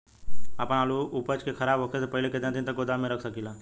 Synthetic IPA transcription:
apəɽ̃aluʔupət͡ʃkekʰəɾaːbʱɦokʰesepəɦileket̪ẽnt̪ĩnt̪əkod̪amẽɾəkʰsəkila

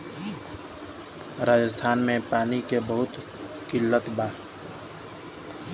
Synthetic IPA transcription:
ɾaːd͡ʒəst̪ʰaːnmẽpaːnikebəɦʊt̪ | kɪlːət̪baː

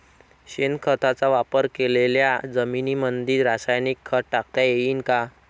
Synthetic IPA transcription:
ɕenkʰət̪at͡saʋapəɾkeleljad͡zəminimənd̪iːɾɾasajnikʰːəʈʈak̚t̪jajeiːnka

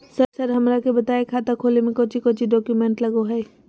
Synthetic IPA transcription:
səɾsɐɾɦɐmɾakebɐt̪aːekʰaːt̪akʰoːlemẽkoːt͡ʃikoːt͡ʃiɖɔːkjumẽːɳʈlɐɡoɦɛː

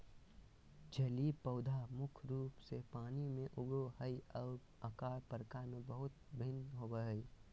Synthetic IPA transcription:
d͡ʒɐlipəʊd̪ʱaːmʊkʰɾuːpsepaːnimẽʔʊɡɾohəiɔːɾ | əkaːɾpəɾkamẽbəɦʊt̪bʱɪnɦoːbəɦəi

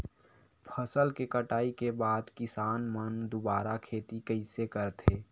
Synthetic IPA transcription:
pʰəsəlkekəʈaːikebaːd̪kɪsaːnmənd̪obaːɾakʰeːt̪ikəɪsekəɾt̪ʰeː

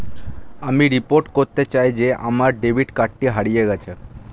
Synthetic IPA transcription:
amiɾipoɾʈkoɾt̪et͡ɕajd͡ʑea̰maɾɖebʱiʈkaʈːiɦaɽijeɡɛt͡ɕʰe

